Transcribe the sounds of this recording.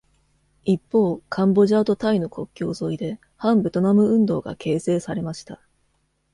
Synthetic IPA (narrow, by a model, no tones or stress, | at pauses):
ipːo̞ːkʰãmbo̞ʑaːt̪o̞t̪aino̞kʰo̞kʲːo̞ːzo̞id̪e̞ | hãmbe̞t̪o̞namɯ̟ɯ̟̃nd̪o̞̰ːɡa̰kʰe̞ːse̞ːsaɾe̞maɕi̥t̪a